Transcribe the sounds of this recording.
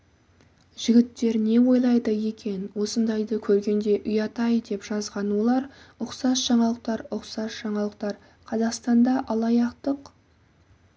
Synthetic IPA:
ʒ̥ɪɡʲɪt̪ːe̞ɾne̞wo̞jlˠɑjd̪əje̞kʲe̞nwo̞sənd̪ɑjd̪əkʲʰɵɾɡʲe̞nd̪e̞ʔʏjɑt̪ɑjd̪e̞pʒ̥ɑzʁɑnwo̞lˠɑɾʊqsɑsʒ̥ɑɴɑlˠəq̚t̪ɑɾʊqsɑsʒ̥ɑɴɑlˠəq̚t̪ɑɾ | qʰɑzɑqst̪ɑnd̪ɑʔɑlˠɑjɑqt̪əq

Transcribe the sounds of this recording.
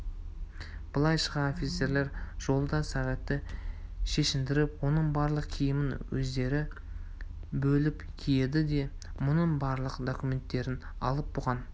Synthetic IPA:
b̥əlˠɑjʃəʁɑnofʲit̪se̞ɾle̞ɾʒ̥o̞lˠd̪ɑsæʁɑt̪ːɪʃe̞ʃɪmd̪ɪɾɪpwo̞nəɴbɑɾlˠəqkʲʰijɪmɪnwɵ̰zd̪e̞ɾɪ | bɵlɪp | kʲʰije̞d̪ɪd̪e̞ | mʊnəɴbɑɾlˠəqd̪okʲume̞nt̪ːe̞ɾɪnɑ̰lˠəp̚boʁɑn

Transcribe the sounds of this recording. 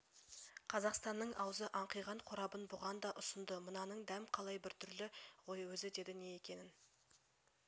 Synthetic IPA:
qʰɑzɑqst̪ɑnːəɴʔɑwzəʔɑɴqijʁɑɴqʰʊɾɑbənbʊʁɑnd̪ɑʔʊsənd̪əmənɑnəɴd̪æmqʰɑlˠɑjbɪɾt̪ʰʏɾlɪʁo̞jwɵzɪd̪e̞d̪ɪne̞je̞kʲe̞nɪn

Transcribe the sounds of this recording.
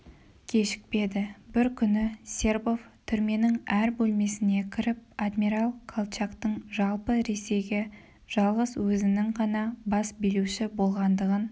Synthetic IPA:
kʲʰe̞ʃɪ̥k̚pe̞d̪ɪbɪɾkʲʰʏnɪsʲe̞rbo̞vt̪ʰʏɾme̞nɪŋæɾbɵlme̞sɪne̞kʲʰɪɾɪp̚ad̪miɾalˠkʰolˠt͡ʃakt̪əɴʒɑlˠpəɾe̞se̞jɡʲe̞ | ʒ̥ɑlˠʁəzwɵzɪnɪŋʁɑnɑbɑsbeluʃɪbo̞lˠʁɑnd̪əʁən

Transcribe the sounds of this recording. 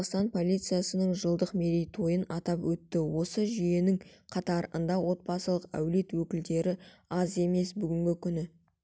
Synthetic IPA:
qst̪ɑnpʰo̞lʲit̪sɨjasənəɴʒəlˠd̪əqmeɾejt̪ʰo̞jənɑt̪ɑpwɵt̪ːɪwo̞səʒʏje̞nɪŋqʰɑt̪ɑɾə̰nd̪ɑwo̞t̪̚bɑsəlˠəqæ̰wle̞t̪wɵkʲɪld̪e̞ɾɪɑze̞me̞sbʏɡʲɪŋɡʲɪkʲʰʏnɪ

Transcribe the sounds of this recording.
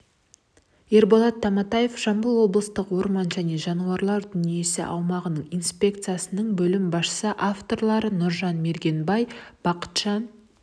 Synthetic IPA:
e̞ɾbolˠɑt̪ʰːɑmɑt̪aje̞fʒɑmbəlˠwo̞blˠəst̪əqwo̞ɾmɑnʒæne̞ʒɑnuɑɾlˠɑɾd̪ʏnije̞sɪ̰ʔɑwmɑʁənəɴijnspʲe̞k̚t̪sɨjasənəɴbɵlɪmbɑʃʃə̥səʔaft̪o̞rlˠɑɾənʊɾʒɑnme̞ɾɡʲe̞nbɑjb̥ɑqə̥t̪ʃɑn

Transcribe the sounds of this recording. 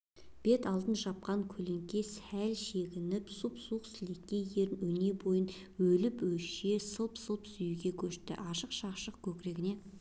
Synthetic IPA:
b̥e̞t̪ɑlˠd̪ənʒɑp̚qɑŋkʲʰɵle̞ŋkʲe̞sælʃeɡʲɪnɪpsupsuqsɪlekʲːe̞je̞ɾnɵne̞bo̞jən | wɵlɪpwɵʃe̞səlˠpsəlˠpsʏjuɡʲe̞kʲʰɵʃt̪ɪ̰ʔɑʃəqʃɑqʃəq̚kʲʰɵkʲɪɾe̞ɡʲɪne̞

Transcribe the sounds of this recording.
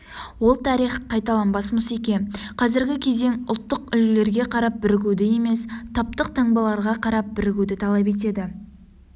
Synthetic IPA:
wo̞lˠt̪ʰɑɾijχqʰːɑjt̪ɑlˠɑnbɑsmʊsekʲenqʰɑzɪɾɡʲɪkʲʰe̞ze̞ŋʊlˠt̪ːəqʏlle̞ɾɡʲe̞qʰɑɾɑp̚bɪɾɪɡʲud̪ɪje̞me̞st̪ʰɑp̚t̪əqt̪ʰɑɴbɑlˠɑɾʁɑqʰɑɾɑp̚bɪɾɪɡʲud̪ɪt̪ʰɑlˠɑp̬e̞t̪̬e̞d̪ɪ

